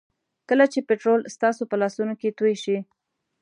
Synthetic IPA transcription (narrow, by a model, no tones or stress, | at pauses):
kəlat͡ʃepeʈɾolst̪ɑsopəlɑsunoket̪ujʃi